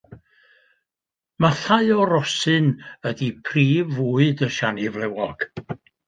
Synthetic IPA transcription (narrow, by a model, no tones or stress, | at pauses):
maθaɨɔɾɔsɨnədipʰriːvuːɨdəʃanivlˠɛwɔɡ̥